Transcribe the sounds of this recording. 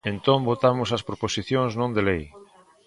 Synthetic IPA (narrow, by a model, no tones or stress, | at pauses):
ẽnt̪õmbot̪amʊsɐspɾoposiθjõŋznõnd̪elej